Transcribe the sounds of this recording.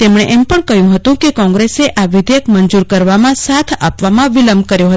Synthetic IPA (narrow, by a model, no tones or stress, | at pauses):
t̪emɳ̃eʔempəɳkəjũɦət̪ũkekɔ̃ŋɡɾeseʔʔaʋɪd̪jəkmənd͡ʒuɾkəɾʋamãsat̪ʰapʋamãʋiləmbkəɾjoɦət̪